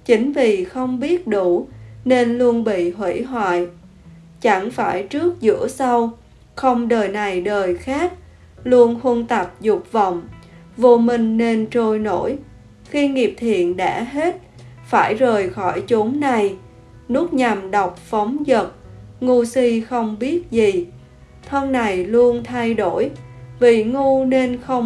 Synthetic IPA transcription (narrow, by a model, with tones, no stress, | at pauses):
t͡ɕï˨˦ŋ̟vi˨˩xə˧wŋ͡mɓi˦˥ət̚ɗu˧˩ne˧nlu˧ənɓḭ˧˨ɦwḛ˧˥ɦwa̰ː˧˨j | t͡ɕa˧˩ŋfaː˧˩jt͡ɕɨ˦˥ək̚zɨ̰˧˥əsa˧w | xə˧wŋ͡mɗəː˨˩jna˨˩jɗəː˨˩jxaː˦˥k̚ | lu˧ənhu˧nt̪a˨˩p̚zʊ˨˩k͡p̚və˨wŋ͡m | vo˧mï˧˩ŋ̟ne˧nt͡ɕo˧jno˧˥j | xi˧ŋi˨˩əp̚t̪ʰḭ˧˨ənɗa̰ː˧˥ɦe˦˥t̚ | faː˧˩jzəː˨˩jxɔ˧˩jt͡ɕʊ˨˦ŋ͡mna˨˩j | nu˦˥ək̚ɲa˨˩mɗa˨˩wk͡p̚fə˨˦wŋ͡mzə˨˩t̚ŋu˧si˧xə˧wŋ͡mɓi˦˥ət̚zi˨˩ | t̪ʰə˧mna˨˩jlu˧ənt̪ʰa˧jɗo˧˩jvi˨˩ŋu˧ne˧nxə˧wŋ͡m